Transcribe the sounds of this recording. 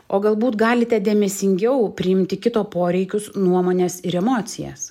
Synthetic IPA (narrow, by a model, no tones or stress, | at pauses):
oːɡɐlˠbuːt̪ɡɑːlʲɪt̪ʲɛd̪ʲeːmʲɛsʲɪŋʲɡʲɛʊpʲɾʲɪɪmʲt̪ʲɪkʲɪt̪oːpoːɾʲɛɪkʲʊsnuɔmoːnʲeːsɪɾɛmoːt̪sʲɪjɛ̰s